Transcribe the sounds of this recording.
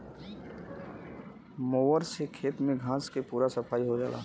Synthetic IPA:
moːʋəɾsekʰeːt̪mẽɡʱãːskepuːɾasɐpʰaːiɦod͡ʒaːla̰ː

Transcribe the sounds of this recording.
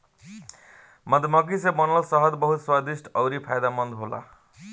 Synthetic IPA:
mʌd̪ʱmʌk̬isemʌnʌlsʌɦʌd̪bʌɦut̪swad̪isʈʌwɾipʰajd̪amʌnd̪ʱɦola̰

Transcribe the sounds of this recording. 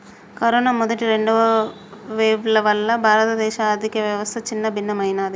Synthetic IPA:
kɐɾoːnaːmɔd̪ɐʈiɾeɳɖuʋɐ | ʋeːʋlɐʋɐlːɐbʱaːɾɐt̪ɐd̪ɛːʃaːɾd̪ʱikijɐʋjɐʋɐst̪ʰɐt͡ʃinːɐbʱinːɐmɐjnaːd̪i

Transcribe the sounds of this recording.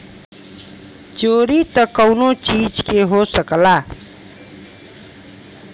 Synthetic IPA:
d͡ʒoɾit̪ʌkʌwnot͡ʃid͡ʒkeɦosəkla

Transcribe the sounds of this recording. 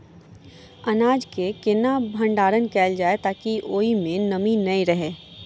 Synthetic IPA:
ɐnaːd͡ʒkekɪnabʱə̃ɳɖaːɾənkɛːld͡ʒaːet̪aːkiʔoːimẽnɐminɐĩɾɐɦeː

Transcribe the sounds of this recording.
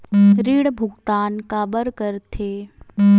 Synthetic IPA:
ɾiɽbʱʊɡt̪aːnkaːbəɾkəɾt̪ʰeː

